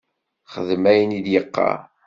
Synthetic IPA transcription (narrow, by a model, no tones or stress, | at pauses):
χəðmæjənid̪jəqːɑ̰